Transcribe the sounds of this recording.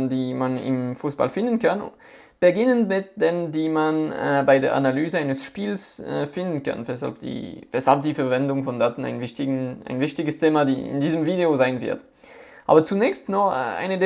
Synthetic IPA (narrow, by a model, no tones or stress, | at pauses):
ndiːmanɪ̰mfuːsb̥a̰lfɪndənkʰan | b̥əɡɪnənmɪt̚d̥endiːmanbaɪdeːɐʔa̰nalyːzəaɪnəsʃpiːlsɛfɪndən̩kʰa̰nvɛsha̰lp̚d̥ḭːvɛshalp̚d̥iːfɛɐvɛndʊŋfɔndaːtn̩a̰ɪnvɪçtɪɡʔa̰ɪnvɪçtɪɡəstʰeːmadiːɪ̰ndiːzəmviːdeozaɪnvɪ̰ɐt | ʔa̰ːbɐt͡sunɛːçstnɔχɛ̰ʔa̰ɪnəde